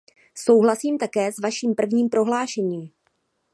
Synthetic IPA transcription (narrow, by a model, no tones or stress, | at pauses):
so̞wɦlasiːmt̪akɛːsvaʃiːmpr̩vɲiːmpɾo̞ɦlaːʃɛɲiːm